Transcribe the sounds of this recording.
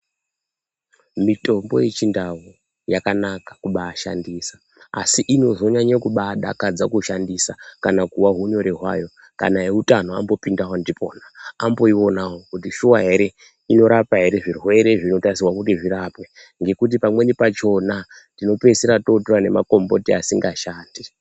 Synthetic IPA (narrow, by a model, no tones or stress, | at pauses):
mito̞mbo̞̰jet͡ʃindawu | jakanakḁkuɓaːʃa̰ndisḁ | a̰siʔino̞zo̞ɲaɲakuɓaːɗa̰kad͡zakuʃandisakanakuwaɦuɲo̞ɾeɦwa̰jo̞ | ka̰naeutanoa̰mbo̞pindawandipʰo̞ːnaambo̞io̞nawokutiʃuwaɦe̞ɾe̞ | ino̞ɾapaɦe̞ɾe̞ʐirwe̞ɾe̞ʐino̞tasiwakutiʐiɾapwe | ŋɡe̞kut̬ipamwe̞nipat͡ʃo̞na | tino̞pe̞seɾato̞turane̞ma̰ko̞mbo̞tiasiŋɡaʃaːndi